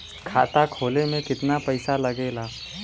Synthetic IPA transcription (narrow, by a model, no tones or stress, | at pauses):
kʰaːt̪akʰoːlemẽkɪt̪napəɪsaləɡeːlaː